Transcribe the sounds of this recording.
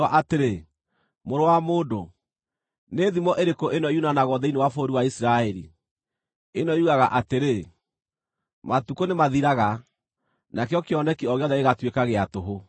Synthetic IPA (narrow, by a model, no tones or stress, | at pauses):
aʔateɾe | moɾowamoːdo | neðimɔʔeɾekoʔenɔjunanaɣɔðɛinewafoɾiwaisiɾaɛɾi | enɔuɣaɣaʔateɾe | matukonemaðiɾaɣa | nakeɔkeɔnɛkiɔɣejɔðɛeɣatwekaɣeatoɦo